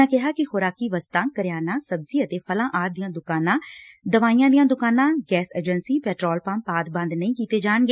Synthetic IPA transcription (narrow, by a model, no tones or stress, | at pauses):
ãːkɪɦaːkɪxoːɾaːkiːʋəst̪ãːkəɾjaːnãːsəbziːət̪eːpʰəlãːʔaːɾd̪ijãːd̪ʊkaːnãːd̪əʋaːijãːd̪ijãːd̪ʊkaːnãːɡɛːsḛːd͡ʒənsiːpɛːʈɾoːlpãmpaːd̪bə̃nd̪nəĩːkiːt̪eːd͡ʒaːɳɡeː